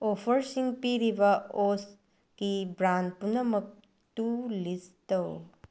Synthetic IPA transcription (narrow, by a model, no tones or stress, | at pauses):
oːfəɾsiŋɡpiɾiʋɐoːs | kibɾaːn̚punɐmɐk̚ | t̪ulist̪ɐw